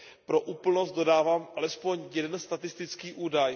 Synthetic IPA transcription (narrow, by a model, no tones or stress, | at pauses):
pɾo̞ʔuːpl̩nost̪do̞daːvaːmʔalɛspo̞ɲjɛdɛnst̪at̪ɪst̪ɪt͡skiːʔuːdaj